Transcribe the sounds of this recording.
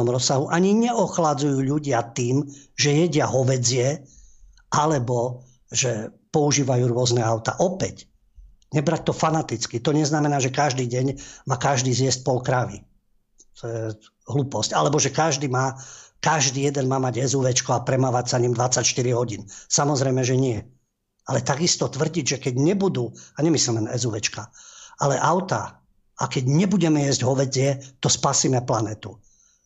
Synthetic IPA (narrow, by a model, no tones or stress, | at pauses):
ɔmɾɔsːaɦuʔaɲiɲɛɔxlad͡zujuːʎuɟɪat̪iːmʒɛjɛɟɪaɦɔʋɛd͡zɪɛ | ʔalɛbɔ | ʒɛpɔuʒiːʋajuːɾʊɔznɛaʊt̪a̰ʔɔpɛc | ɲɛbɾac̚t̪ɔfanat̪it͡skit̪ɔɲɛznamɛnaːʒɛkaʒd̪iːɟɛɲmaːkaʒd̪iːzjɛsc̚pɔlkɾaʋḭ | t̪ʰɔjɛ | ɦluːpɔscalɛbɔʒɛkaʒd̪iːmaːkaʒd̪iːjɛd̪ɛnmaːmaɟɛzuʋɛt͡ʃkɔapɾɛmaːʋacsaɲimd̪ʋat͡sːacʃt̪iɾiɦɔɟiːnsamɔzɾɛjmɛʒɛɲɪɛ | alɛt̪aɡist̪ɔt̪ʋr̩ɟiɟʒɛkɛɟɲɛbud̪uaɲɛmislimɛnɛzuʋɛt͡ʃkaalɛʔaʊt̪a | ʔakɛɟɲɛbuɟɛmɛjɛzɟɦɔʋɛtɪɛt̪ɔspasiːmɛplanɛːt̪u